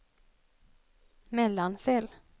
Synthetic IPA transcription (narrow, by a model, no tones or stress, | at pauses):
mɛlːansɛl